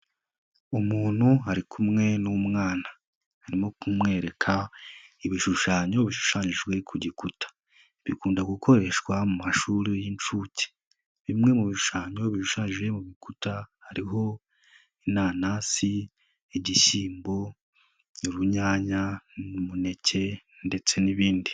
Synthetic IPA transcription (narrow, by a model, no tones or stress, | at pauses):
umuːn̥huɦaɾikʰumŋe̞numŋaːna | haɾimokumŋe̞ːɾe̞kʰaiβiʃuʃaːɲo̞βiʃu̥ʃaːɲiʒɡwe̞kʰuɟikutʰḁ | βikuːndaɡukʰo̞ɾe̞ʃkwamumaʃuɾijint͡ʃuːce̥ | βimŋe̞muβiʃu̥ʃaːɲo̞βiʃuʃaːɲiʒɡwe̞muβikutahaɾiɦo̞ | inaːnasi | eɟisiːmbo̞ | nuɾuɲaːɲanumune̞ce̞ | nde̞t͡se̞niβiːndi